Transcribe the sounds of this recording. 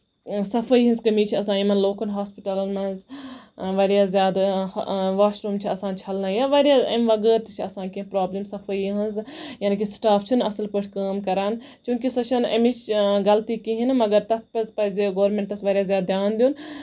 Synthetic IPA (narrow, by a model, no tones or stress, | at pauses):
sɐfʰəjɦɐ̃nzkɐmiːt͡ʃʰiɐsãːimɐnloːkɐnɦaːspiʈɐlɐnmɐz | ʋɐɾjaːzjaːd̪ | ʋaːʃɾuːmt͡ʃʰiɐsãːnt͡ʃʰɐlnajaʋɐɾjaːɐ̰mʋɐɡəːɾt̪ɨt͡ʃʰiɐsãːnkĩpɾaːblimsɐfʰəjiɦɐ̃nzjaːnikisʈaːfʰt͡ʃʰinɐsɐlpəʈʰʲkəːmkɐɾaːnt͡ʃũːkʲisɐt͡ʃʰɐnɐ̰mit͡ʃʰɡɐlt̪iːkiɦinmɐɡɐɾt̪ɐt̪̚ʰpɐzpɐzeɡoːɾmẽɳʈɐsʋɐːɾʲjaːzʲjaːd̪d̪jaːnd̪juːn